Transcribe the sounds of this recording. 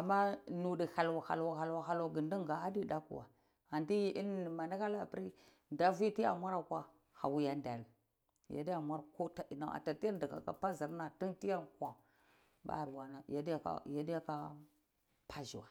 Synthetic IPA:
a˨mːa˦nu˨di˨ha˨lwa˨ha̰˨lwa˨ha˨lwa˨xa˨lwa˨ɡi˨ndi˦ŋɡa˨a˦di˦ɗa˦kṵ˨wa̰˨ | a˨ndi˦ji˦ʔi˦n˦˨ma˨na˦ka˦la˨pɾi˦ | nda˦vi˦ti˦a̰˨mʷa˦ɾa˨kʷa˦ | ha˨wu˦ja˦nda˨l | ja̰˨˦di˦a˨mʷa˦ɾko˦ta˦i˨na˦˨a̰˨ta˨ti˦a˦di˨ɡa̰˨ka̰˨pa˦zi˨ɾna˨ti˦nti˦ja˦nkʷa˨ | ba̰˦˨ɾwa˨na˨ja˦dja˦a̰˦ja˦di˦ja˦ka˦ | pʰa˦ʒi˨wa˨

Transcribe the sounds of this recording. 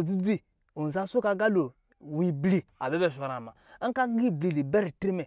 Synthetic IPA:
d͡zi˦d͡zi˦ | o˨n˨za˦su˦ka˦ɡa˦lo˨ | wi˨bli˨a˨be˦be˦˨ʃa˨ɾa˨ma˨˦ka˦ɡi˦˨bli˨li˨be˦ɾi˨tɾi˦me˨

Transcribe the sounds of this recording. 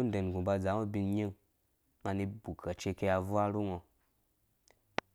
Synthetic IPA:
u˦n˦de˨n˨ɡũ˨ba˧d͡za˨˦ŋo˦bi˧n˦ɲe˦ŋ | ŋa˧ni˧bu˨kʰa˨t͡ʃe˧ke˧ja˧vu˦a˦ɾu˦ŋɔ˧

